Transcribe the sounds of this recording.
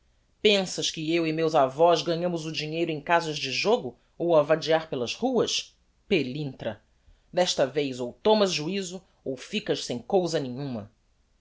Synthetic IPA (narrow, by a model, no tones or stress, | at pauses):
pẽsɐʃkɪewɪmewzavɔzɡɐɲɐ̃mʊzʊd͡ʒiɲejɾʊẽj̃kazɐzd͡ʒɪʒoɡʊ | owɐvad͡ʒiaɾpelɐzhuɐs | pelĩnt̪ɾɐ | d̪ɛʃt̪ɐvejzowt̪õmɐzʒuizʊ | owfikɐʃsẽj̃kowzɐnẽɲũmɐ